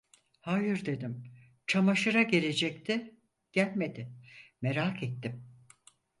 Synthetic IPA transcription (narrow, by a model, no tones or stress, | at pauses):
hajɯɾd̪e̞d̪im | t͡ʃʰamaʃɯɾaɟe̞lʲe̞d͡ʒɛct̪ʰɪ | ɟ̥ælʲme̞d̪ɪmeɾaːket̪ːim